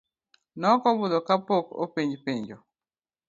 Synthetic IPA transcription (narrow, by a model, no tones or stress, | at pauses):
nɔkɔbʊd̪ɔkapoko̰piɲd͡ʒpiɲd͡ʒo